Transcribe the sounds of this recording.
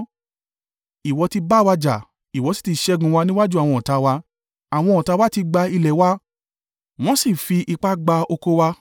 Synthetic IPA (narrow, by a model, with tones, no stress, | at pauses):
i˨wɔ˧ti˧ba˦˨wa˧d͡ʒa˨ | i˨wɔ˨˧˦si̥˦˨ti˧˦ʃɛ˦ɡũ˧wa˧nĩ˦wa˦d͡ʒu˦a˨w̃ɔ̃˧ɔ˨ta˧˦wa˧ | a˨w̃ɔ̃˧ɔ˨ta˧wa˦ti˧ɡ͡ba˧i˧lɛ˨˦wa˧˦ | w̃ɔ̃˦si˦˨fi˧ʔi˧k͡pa˦ɡ͡ba˧o˧ko˧wa˧